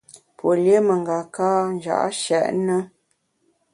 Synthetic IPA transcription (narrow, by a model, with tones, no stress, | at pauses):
pwo˨lje˦mə˨ŋ˨ɡa˨kaː˦n˦d͡ʒa̰˨ʔʃɛ̰˨ʔnə˦